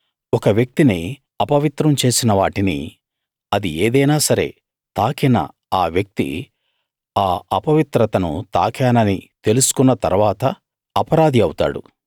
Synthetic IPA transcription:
ɔkɐʋjɐk̚t̪ini | ɐpɐʋit̪ɾɐmt͡ʃe̞ːsinɐʋaːʈinḭ | ɐd̪ieːd̪ɐjnaːsɐɾe̞̰ː | t̪aːkʰɛnɐ̰ | aːʋjɐk̚t̪ḭ | aːɐpɐʋit̪ɾɐt̪ɐnṵt̪a̰ːkʰjaːnɐnit̪e̞lusu̥kunːɐt̪ɐ̰ɾuʋaːt̪ɐː | pɐɾaːd̪ʱiɐwut̪a̰ːɽṵ

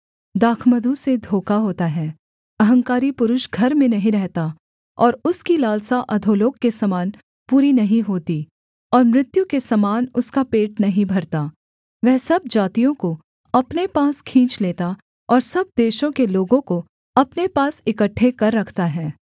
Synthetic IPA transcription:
d̪aːkʰməd̪ʱused̪ʱoːkaɦoːt̪aɦɛː | ɐɦə̃ŋkaːɾipʊɾʊʃɡʱɐɾmẽnɐɦĩɾɛɦt̪a | ɔːɾʊskilaːlsaʔɐd̪ʱoːloːkːesɐmaːn | puːɾinɐɦĩɦoːt̪i | ɔːɾmɾɪt̪jukesɐmaːnʊskapeːʈ̚nɐɦĩbʱɐɾt̪aː | ʋɛɦsɐb̚d͡ʒaːt̪ijõko | ɐpnepaːskʰĩːt͡ʃleːt̪a | ɔːɾsɐb̚d̪eːʃõkeloːɡõko | ɐpnepaːsɪkəʈʰːekɐɾːɐkʰt̪aɦɛː

